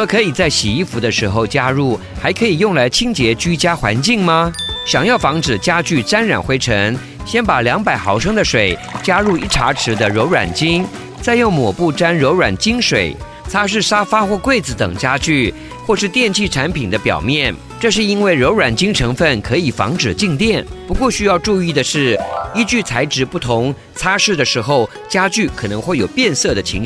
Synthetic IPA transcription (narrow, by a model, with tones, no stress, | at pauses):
kʰɤ˧˥i˨˩t͡sa˥˩ɪɕi˨˩i˥˩fu˧˥d̪ə˧ʂɻ̩˧˥xo˥˧ʊt͡ɕja˥ɻu˥˩ | xa˧˥ɪkʰɤ˧˥i˨˩jʊ˥˩ŋla˧˥ɪt͡ɕʰi˥ŋt͡ɕjɛ˧˥t͡ɕy˥t͡ɕja˥xwa̰˧˥nt͡ɕi˥˩ŋmɐ˩ɕjɑ˨˩ŋjɑ˥˩ʊfɑ˧˥ŋʈ͡ʂɻ̩˨˩t͡ɕja˥t͡ɕy˥˩ʈ͡ʂa˥nɻa̰˨˩nxwe˧˥ɪʈ͡ʂʰɤ˧˥ŋ | ɕjɛ˥npa˨˩ljɑ˧˥ŋpa˨˩ɪxɑ˧˥ʊʂɤ˥ŋd̪ə˨ʂwe˨˩ɪ | t͡ɕja˥ɻu˥˩˧ḭ˥˩ʈ͡ʂʰa̰˧˥ʈ͡ʂʰɻ̩˧˥d̪ə˧ɻo˧˥ʊɻwa̰˨˩nt͡ɕi˥ŋ | t͡sa˥˧ɪjo˥˩ŋmwɔ˨˩pu˥˩ʈ͡ʂa˥nɻo˧˥ʊɻwa˨˩nt͡ɕi˥ŋʂwe˨˩ɪ | t͡sʰa˥ʂ̬ɻ̩˥˩ʂa˥fa˥xwɔ˥˧kwe˥˩ɪd͡zɹ̩˧˩t̪ɤ̰˨˩ŋt͡ɕja˥t͡ɕy˥˩ | xwɔ˥˧ʂɻ̩˥˧t̪jɛ˥˧nt͡ɕʰi˥˩ʈ͡ʂʰa˧˥npʰi˨˩nd̪ə˦pjɑ̰˨˩ʊmjɛ˥˩n | ʈ͡ʂɤ˥˧ʂ̬ɻ̩˥˩i˥nwe˥˩ɪɻo˧˥ʊɻwa˨˩nt͡ɕi˥ŋʈ͡ʂʰɤ˧˥ŋfə˥˩nkʰɤ˧˥i˨˩fɑ̰˧˥ŋʈ͡ʂɻ̩˨˩t͡ɕi˥˧ŋt̪jɛ˥˩npu˧˥kwɔ˥˩ɕy˥jɑ˥˧ʊʈ͡ʂu˥˧i˥˩d̪ə˩ʂɻ̩˥˩i˥t͡ɕy˥˩t͡sʰa˧˥ɪʈ͡ʂɻ̩˧˥pu˥˩t̪ʰʊ˧˥ŋ | t͡sʰa˥ʂɻ̩˥˩d̪ə˩ʂɻ̩˧˥xo˥˧˩ʊ | t͡ɕja˥t͡ɕy˥˩kʰɤ˨˩nɤ˧˥ŋxwe˥˩ɪjo˨˩ʊpjɛ˥˧nsɤ˥˩d̪ə˩t͡ɕʰi˧˥ŋ